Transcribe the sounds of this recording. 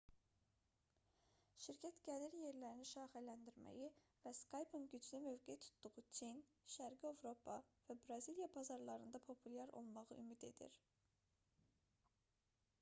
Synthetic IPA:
ʃiɾcʰæt̪ɡæd̪iɾje̞ɾlæɾiniʃɑːχælænd̪iɾmæ̰ji | væskʰɑjpʰuŋɡyd͡ʒlimø̞vɡet̪ʰu̥t̪d̪̥uʁut͡ʃʰin | ʃæɾɡiovɾo̞pʰɑvæbɾɑzilijɑbʰɑzɑɾlˠɑɾɯnd̪ɑpʰo̞pʰuljɑɾo̞̰lˠmɑʁɯ̰ʔymid̪e̞̰d̪ḭɾ

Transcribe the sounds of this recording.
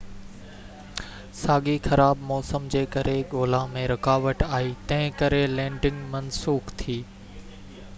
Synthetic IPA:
saːɠixɐɾaːbmɔːsəmd͡ʑeːkɐɾʔeɠoːlãmẽɾɐkaːʋəʈaːɦit̪ɐ̃ɦɪ̃kɐɾelɛ̃ːɖɪ̃ŋɡmɐnsuːxt̪ʰiː

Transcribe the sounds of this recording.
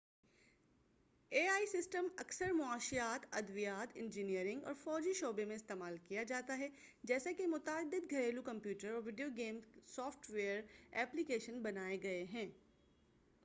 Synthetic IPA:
eːaːisɪsʈəmɐksəɾmʊaːʃijaːt̪ɐd̪ʋijaːt̪ɪ̃nd͡ʒinijəɾɪ̃ŋɡɔ̰ːɾfɔːd͡ʒiʃoːbemẽɪst̪eːmaːlkijad͡ʒaːt̪aɦɛd͡ʒɛːsakemʊt̪aːd̪ːɪd̪ɡʱɐɾeːlukɐ̃mpjuːʈəɾɔːɾʋɪɖijoɡeːmsɔːfʈʋeːəɾɛːplikeːʃənbɐnaːeɡɐeɦɛ̃ː

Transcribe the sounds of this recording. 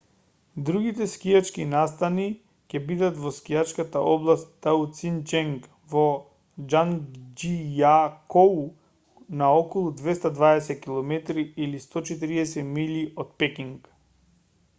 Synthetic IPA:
d̪ɾuɡit̪ɛskijat͡ʃkinast̪ani | cɛbid̪at̪vɔskijat͡ʃkat̪aʔɔblˠast̪t̪aut̪sint͡ʃɛŋk | vɔ | d͡ʒand͡ʒijakou | naɔkɔlˠud̪vɛst̪ad̪vaɛsɛt̪̚kilˠɔmɛt̪ɾiilist̪ɔt͡ʃɛt̪̬iɾiɛsɛmiliot̪̚pɛkiŋk

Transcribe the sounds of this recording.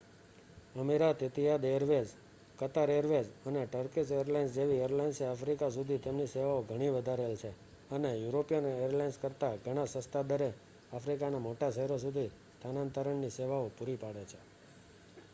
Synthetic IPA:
əmiɾat̪ɪt̪ijad̪ejəɾʋed͡ʒ | kət̪aɾeəɾʋed͡ʒəneʈəɾkisejəɾlainsd͡ʒeʋieəɾlajnseafɾikas̬ud̪ʱit̪emniseʋaoɡʱəɽ̃iʋəd̪ʱaɾelt͡ʃʰe | ənejuɾopijənejəɾlajnskəɾt̪aɡʱəɽ̃asə̃st̪ad̪əɾe | afʰɾikanamoʈaʃəɦɛɾos̬ud̪ʱi | st̪ʰanãnt̪əɾəɳniseʋaopuɾipaɽet͡ʃʰe̥

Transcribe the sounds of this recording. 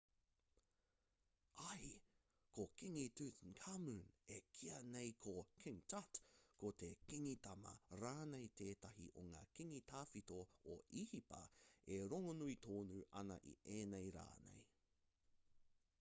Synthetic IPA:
ɐj | kʰokiŋitʉtnkʰamunekʰiɐnejkʰokʰɪŋtʰatkotekiŋitɐmɐ̰ɾaːnejteːtɐɦḭʔoŋa̰ːkiŋitʰaːfitooʔihipɐ̰eɾoŋonuitʰoːnuːʔɐnɐ̰ʔḭʔeːnejɾa̰ːnḛj

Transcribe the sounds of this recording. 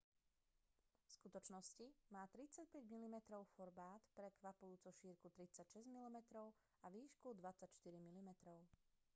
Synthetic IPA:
fskut̪ɔt͡ʃnɔscimaːt̪ɾit͡sac̚pɛɟmilimɛt̪ɾɔʊfɔɾbaːt̪pɾɛkʋapujuːt͡suʃiːɾkut̪ɾit͡sacʃɛzɟmilimɛt̪ɾɔʊ | aʋiːʃkud̪ʋat͡sacʃt̪iɾimilimɛt̪ɾɔʊ

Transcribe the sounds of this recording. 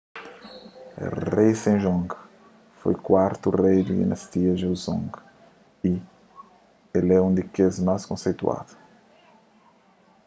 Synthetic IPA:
rejsẽʒɔ̃ŋk | fo̰jkwaɾt̪urejd̪id̪ḭnɐst̪iɐʒewzõ̰ŋk | i | elɛũnd̪ɪkezmaskõsejt̪ua̰ðu̥

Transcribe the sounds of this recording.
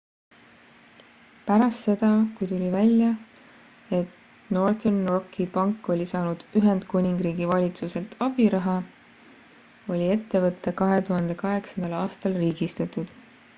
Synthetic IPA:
pæɾɑst̪se̞d̪̥ɑkujt̪ulʲivælʲjɑ | e̞t̪ | no̞rt̪enrokʰːˑipɑŋkːˑo̞lʲisɑːnud̪̥yɦe̞nd̪̥kunʲiŋɡ̥ɾiːɡ̥ivɑlʲit̪suse̞lt̪ʰɑb̥iɾɑɦɑ | o̞lʲie̞t̪ːe̞vɤt̪ːekɑɦe̞t̪uɦɑnd̪̥e̞kɑɦe̞ksɑnd̪̥ɑlɑːst̪ɑlriːɡ̥ist̪ɑt̪ˑud̪̥

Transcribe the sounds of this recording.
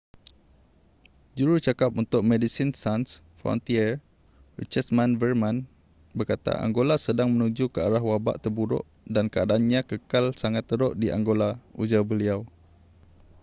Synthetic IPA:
d͡ʒuɾut͡ʃakap̚unt̪ʊk̚mɛdisinsans | fɔ̰nt̪iɛr | rḭt͡ʃəsmãnvərmãn | bərkat̪a̰ʔa̰ŋɡolasədaŋmə̃nud͡ʒukəaɾaɦwaba̰ʔt̪ərbuɾʊ̰ʔ | dankəadaanɲãkəkalsaŋat̪ːəɾʊʔdiʔa̰ŋɡolaud͡ʒabəliaw

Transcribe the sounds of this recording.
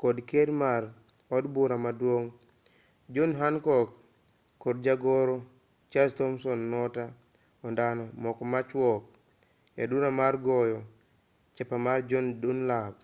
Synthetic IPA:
kodkedmaɾ | ɔdbuɾamadwoŋ | d͡ʒonɦankɔkː | oɾd͡ʒaɡɔɾo | t͡ʃastomsɔnːɔta | ɔndanomɔkɔmat͡ʃwɔk̚ | jadunamaɾɡojo | t͡ʃɛpamaɾd͡ʒondunlab̚

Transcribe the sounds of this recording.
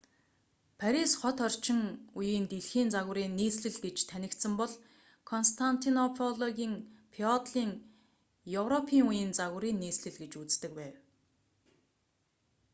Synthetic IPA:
pʰæɾisχɔt̪ɔr̥t͡ɕɪ̆ŋujiːnt̪iɮxiːnt͡saɣʊ̆ɾiːnːiːsɮɘ̆ɮɡet͡ɕt̪ʰænʲɪ̆kt̪sɘ̆mpɔɮ | kʰɔnst̪ʰan̥t̪ʰinɔpʰɔɮɔɣʲiːŋpʰiɔt̪ɮiːŋ | jɵwrɔpʰiːŋujĭːnt͡saɣʊ̆ɾiːnːiːsɮɘ̆ɮɡet͡ɕut͡st̪ɘ̆k̚pæːw

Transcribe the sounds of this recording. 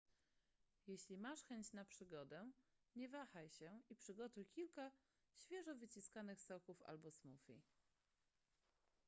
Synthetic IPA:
jeɕlʲimaʂxɛɲt͡ɕnapʂɘɡɔd̪ɛ | ɲɛvaxajɕɛipʂɘɡɔt̪ujkʲilka | ɕfʲjɛʐɔvɘt͡ɕiskanɘxsɔkufa̰lbɔsmufʲḭ

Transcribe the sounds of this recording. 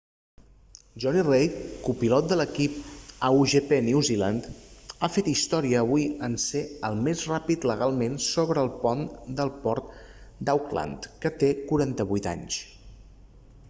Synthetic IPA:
ʒɔnirejkupilɔt̪̚d̪ələkip̚əuʒepeneuzila̰nd̪afet̪ist̪ɔɾiəːβuiənseəlˠmezrapit̪ləɣalˠmensoβɾəːlˠpɔnd̪əlˠpɔɾt̪ | d̪awkla̰nt̪kət̪ekuɾant̪əβujt̪a̰ɲs

